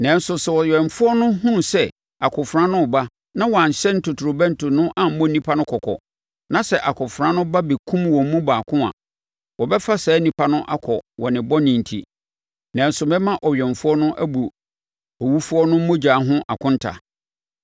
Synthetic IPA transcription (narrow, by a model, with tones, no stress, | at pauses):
nã˨n̩˦sʊ˨sɛ˨wɔ˨ɥᶣɛ˨m˨fʊ˦ɔ˦nʊ̃˦hũ˦sɛ˦ | a˨kʰʊ̃˨fɾã˦nʊ̃˦ɔ˨ba˦ | nã˦wɔ˨a˨ɲ˨ɕɛ̃˦n˦tʊ˨tʰu˨ɾʊ˨bɛ̃˦n˦tʰʊ˨nʊ̃˦ʔã˨m̩˦mɔ̃˦nĩ˦pʰa˦nʊ̃˦kʰɔ˨kʰɔ̰˨ | nã˨sɛ˦ʔa˨kʰʊ̃˨fɾã˦nʊ̃˦ba˦bi˨kʰũ˦mwɔ̃˨m˦mũ˦baː˨kʰʊ̃˦a̰˨ | wɔ˨bɛ˦fa˦sɛː˨˦nĩ˨pa˦nʊ̃˦ʔa˦kʰɔ˨wɔ˨nɪ̃˨bɔ˦nɪ̃˨n̩˨tʰḭ˨ | nã˨n̩˦sʊ˨mɛ̃˦mã˦ʔɔ˨ɥᶣɛ̃˨ɱfʊ˦ɔ˦nʊ̃˦ʔæ˦bu˨ | ɔ˨wu˦fu˦ɔ˦nʊ̃˦m̩˦mʊ̃˦d͡ʑaː˨˦ɦʊ̃˦ʔa̰˨kʰʊ̃˦n˦tʰa̰˨